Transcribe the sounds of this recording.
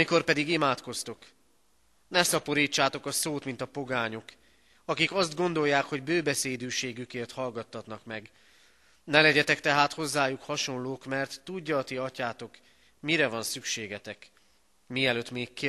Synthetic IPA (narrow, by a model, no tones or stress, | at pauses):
miko̞rpɛd̪iɡimaːt̪ko̞st̪o̞k | nɛsɒpo̞ɾiːt͡ʃːaːt̪o̞kɒsoːt̪mint̪ɒpo̞ɡaːɲo̞k | ɒkikɒzd̪ɡo̞nd̪o̞jːaːkho̞ɟbøːbɛseːd̪yːʃeːɡykeːrt̪hɒlɡɒt̪hɒt̪nɒkmɛɡ | nɛlɛɟɛt̪ɛkt̪ɛɦaːt̪ho̞zːaːjukhɒʃo̞nloːkmɛrt̪ːuɟːɒːt̪iɒcaːt̪o̞k | miɾɛvɒnsykʃeːɡɛt̪ɛk | miɛløːt̪meːkːe